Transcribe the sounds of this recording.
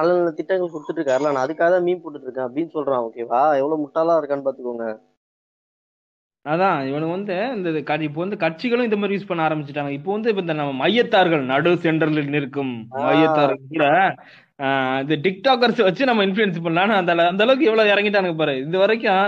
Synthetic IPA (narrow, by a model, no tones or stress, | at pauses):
nɐlːɐt̪ɪʈːɐŋɡɐɭkʊɽt̪ːɯʈːɾɯkːaːɾɐlaːnãːɐðɯkːaːɣɐt̪ãːmiːnpoːʈːɯʈːɾɯkːɐ̃ɐpːɽinːsɔlɾãːoːkeːʋaːɛʋːɐɭoːmʊʈːaːlãːɾɯkːaːɳpaːt̪ːɯkːoŋɡɐ | ɐðãːɪʋɐɳɐkːɯʋɐnd̪ɯɪnd̪ɐkɐɪpːoːʋɐnd̪ɯkɐʈ̚t͡ʃɪɣɐɭʊ̃ɪnd̪ɐmaːd̪ɾijuːspɐɳːaːɾɐmbɪt͡ʃːɪʈːaːŋɡɐɪpːoːʋɐnd̪ɯɪpːoːɪnd̪ɐnɐmːɐmɐjːɐt̪ːaːɾɣɐɭnɐɽɯsɛɳɖɐɾɐlɪnɪɾɯkːɯmmɐjɐt̪ːaːɾɣɐɭkuːɽɐ | ɪnðɐʈɪk̚ʈaːk̬ːɐɾsʋɐt͡ʃːɯnɐmːɐɪnflʊɛns̬p̬ɐɳnaːnɐɐnd̪ɐlɐɐnd̪ɐlɐʋɯk̬ːɯɛʋːɐɭoɪɾɐŋɡɪʈ̬ːaːnŋɡɐp̬aːɾɯ̃ːɪðɯʋɐɾɐk̬ːʊ̃